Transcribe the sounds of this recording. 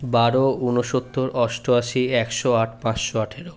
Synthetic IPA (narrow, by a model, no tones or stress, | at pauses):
baɾounoʃot̪ʰːoɾʔɔʃʈʰoaʃiɛkʃoaʈʰpãt͡ʃʃoaʈʰeɾo